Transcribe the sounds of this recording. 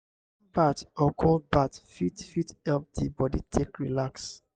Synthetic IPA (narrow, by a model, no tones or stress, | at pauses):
patɔkʰɔld̚batfitfithɛlp̚dibɔditʰekɹilaks